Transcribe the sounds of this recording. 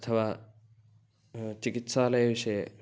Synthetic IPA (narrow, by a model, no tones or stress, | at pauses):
t̪ʰɐba | t͡ʃikitsalajse